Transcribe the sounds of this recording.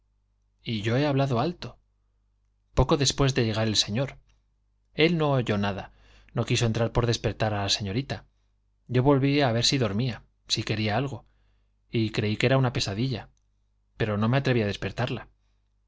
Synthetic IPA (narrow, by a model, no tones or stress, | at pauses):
iʝo̞e̞aβlaðo̞alt̪o̞ | po̞ko̞ðe̞spwe̞zðe̞ʝe̞ɣaɾe̞lse̞ɲo̞ɾ | e̞lno̞ːʝo̞naða | no̞kisont̪ɾaɾpo̞ɾðe̞spe̞ɾt̪aɾalase̞ɲo̞ɾit̪a | ɟ͡ʝo̞βo̞lβiaβe̞ɾsiðo̞ɾmia | sike̞ɾiaalɣ̞o̞ | ikɾe̞ike̞ɾaunape̞saðiʎa | pe̞ɾo̞no̞me̞at̪ɾeβiaðe̞spe̞ɾt̪aɾla